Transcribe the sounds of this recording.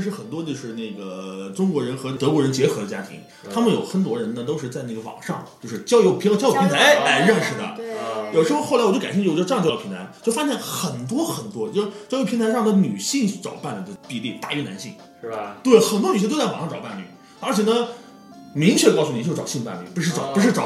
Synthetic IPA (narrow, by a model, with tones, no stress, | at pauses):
ʂɻ̩˥˩xə˨˩nt̪̬wɔ˥t͡ɕjo˥˧ʊʂɻ̩˥˧ne˥˩ɡə˩ʈ͡ʂʊ˥ŋkwɔ˧˥ɻə˧˥nxɤ˧˥t̪ɤ˧˥kwɔ˧˥ɻə˧˥nt͡ɕjɛ˧˥xɤ˧˥d̪ə˧t͡ɕja̰˥t̪ʰḭ˧˥ŋ | t̪ʰa˥mə˨njo˨˩ʊxə˧˥nt̪wɔ˧˥ɻə˧˥nnə˧t̪̬o˥ʊʂɻ̩˥˧t͡sa˥˧˥ɡə˩ʋɑ̰˨˩ŋʂɑ˥˧ŋt͡ɕjo˥˧ʊʂɻ̩˥˧t͡ɕjɑ˥jo˧˥ʊpʰt͡ɕjo˥pʰi˥a˧˥la˧˥ɪɻə˥˩nʂɻ̩˨˩d̪ə̰˩jo˨˩ʊʂɻ̩˧˥xxlt͡ɕo˥˩˧a˨˩ɕt͡ɕːjpʰi˧˥nt̪ʰa˧˥nt͡ɕjo˥˩ʊfa˥ɕjɛ˥˩xə˨˩nt̪wɔ˥xə˨˩nt̪wɔ˥t͡ɕo˥˩t͡ɕɑ˥ʊjo˧˥pʰntʰa˧˥ʂɑ˥˩ŋd̪ə˧ny˨˩ɕi˥˩ŋt͡sɑ̰˨˩ʊpa˥˩nlə˩d̪ə˩pi˥˧li˥˩t̪a̰˥˧y˧˥˩na̰˧˥nɕi˥˩ŋ | t̪we˥˩ɪxə˨˩nt̪wɔ˥ny˨˩ɕʰto˥t͡sɑ˨˩ʂɑ˥˧˩ʈ͡ʂpa˥˩nly̰˩ | ə˞˧˥t͡ɕʰɛ˨˩nə˦ | mi˧˥ŋt͡ɕʰɥɛ˥˩ə˧kɑ˥˧ʊsu˥˩ni˨˩t͡ɕo˥˩ʈ͡ʂɑ˨˩ɕi˥˧npa̰˥˧nly̰˥˩pu˧˥ʂɻ̩˥˩ʈ͡ʂɑ˨˧˦pu˧˥ʂ̬ɻ̩˥˩ʈ͡ʂɑ˨˩˦